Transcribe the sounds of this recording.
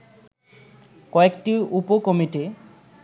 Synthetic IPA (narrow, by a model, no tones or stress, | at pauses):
kɔekʈiupokomiʈi